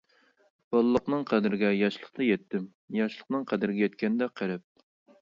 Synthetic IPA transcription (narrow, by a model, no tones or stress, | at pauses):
b̥ɑlˠlˠːəqnɨŋqʰæd̪ɪɾɪɡʲɛjɑʃlˠəq̚t̪ɑjɛt̪ːɪm | jɑʃlˠəqnɨŋqʰæd̪ɪɾɪɡʲɛjɛt̪kʲɛnɪd̪ɛqʰæɾɛp̚